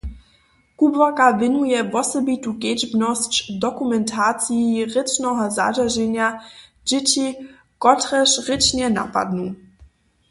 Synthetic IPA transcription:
kubvɔkavɪnujɛvɔsɛbituked͡ʒbnɔst͡ɕdɔkumɛntʰaːt͡siiʁɪt͡ʃnɔɦɔza̰d͡ʒaʒɛnja | d͡ʒɪt͡ɕi | kɔtʁɛʃʁɪt͡ʃnjɛna̰pa̰d̪nu

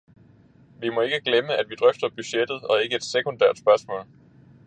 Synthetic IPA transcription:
ʋimɒ̽e̝ɡ̥əɡ̥leməʔæd̥ʋid̥ʁœfd̥ɐb̥yɕed̥ð̞̩ˠɒ̽e̝ɡ̥əed̥sekʰond̥æɐ̰d̥spɶɐsmɔ̰̽ːl

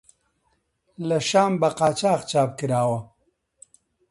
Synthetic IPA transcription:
laʃaːmbaqaːt͡ʃaːxt͡ʃaːb̚kiɾaːwa

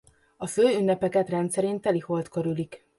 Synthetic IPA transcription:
ɒføːynːɛpɛkɛt̪rɛnt̪sɛɾeːnt̪ɛliho̞lt̪køɾylik

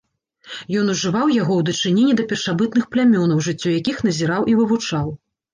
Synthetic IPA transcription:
jɔnuʐɨvawjaɣɔwd̪ɐt͡ʂɨnʲenʲːid̪ɐpʲɛrʂabɨt̪̚nɨxplʲamʲɔnɐwʐɨt͡sʲːɔjakʲixn̪ɐzʲiɾawʔivɨvut͡ʂaw

